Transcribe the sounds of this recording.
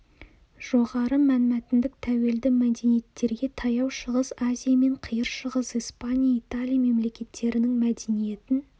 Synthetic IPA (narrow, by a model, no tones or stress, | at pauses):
ʒ̥o̞ʁɑɾəmænmæt̪ɪnd̪ɪk̚t̪ʰæwe̞ld̪ɪmæd̪e̞nije̞t̪ːe̞ɾɡʲe̞t̪ʰɑjɑwʃəʁəzazʲijame̞ɴqʰijəɾʃəʁəzijspanʲijait̪alʲijame̞mle̞kʲe̞t̪ʰːe̞ɾɪnɪŋmæd̪e̞nije̞t̪ɪn